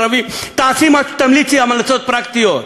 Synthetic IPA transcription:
əʋit̪asimat̪əmlit͡siamalat͡sot̪̚pɾakt̪ijo

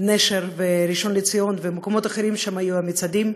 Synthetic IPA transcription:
neʃeɾveɾiʃo̞nlet͡sijo̞nvemekomo̞t̪aχeɾimʃamhajuamit͡sad̪im

